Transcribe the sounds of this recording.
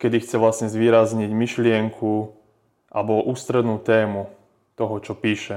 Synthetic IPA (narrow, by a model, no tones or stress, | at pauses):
kɛd̪ixt͡sɛʋlasɲɛzʋɪiːɾazɲiɟmiʃlɪɛŋkʰu | ʔabɔʔuːst̪ɾɛd̪nuːt̪ɛːmu | t̪ɔɦɔt͡ʃɔpiːʃɛ